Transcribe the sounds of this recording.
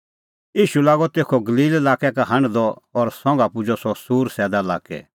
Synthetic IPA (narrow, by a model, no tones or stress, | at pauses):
jiːʃulaːɡɔt̪eːkʰɔɡɐliːlelaːkɛkaɦɐ̃ɳd̪ɔɔɾsɔ̃ːŋ̆ɡapʊd͡ʒɔsɔsuːɾsɛːd̪ala̰ːkɛ̰